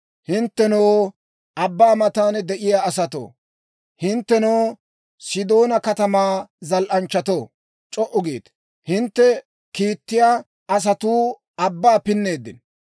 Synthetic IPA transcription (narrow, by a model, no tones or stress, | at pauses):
hɪnt̪ːɛnow | ʔɐbːaːmɐt̪aːnd̪ɛʔɪjaːɐsɐt̪o̰ː | hɪnt̪ːɛnow | sɪd̪o̞ːnɐkɐt̪ɐmaːzɐlʔɐnt͡ʃːɐt̪oː | t͡ʃʼɔʔʊɡḭːt̪ | hɪnt̪ːɛ | kiːt̪ːɪjaː | ɐs̬ɐt̪uː | ɐbːaːpɪnːe̞ːd̪ːɪn